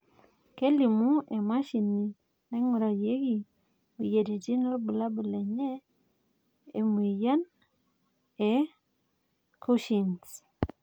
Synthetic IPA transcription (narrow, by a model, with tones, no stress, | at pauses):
ke˦li˨mu˦ɛ˨ma˦ʃi˨ni˨ | nɛ˦ŋu˨ɾa˨je˦ɡi˨ | bi˨je˨di˨d͡ʒi˦na˦bə˨la˦bə˨le˨ɲe˦ | e˨m˨e˨ja˦n | ɛ˨ | ku˦ʃi˨ns